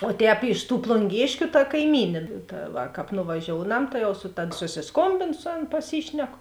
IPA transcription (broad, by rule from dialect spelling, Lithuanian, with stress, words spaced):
oː ˈtʲɛːp ɪʃ tuː plˠʊŋʲˈɡʲeːʃʲkʲʊ tɐ kɐɪˈmʲiːnʲeː ˈtɐ ʋɐ ˈkɑːp nʊʋɐˈʒʲoːʊnɐm tɐ ˈjɛʊ sʊ tɐt sʊsʲɪsˈkoːmʲbʲeːnʊ ˈsʊ ˌɐn pɐˈsʲiːʃʲnʲɛkʊ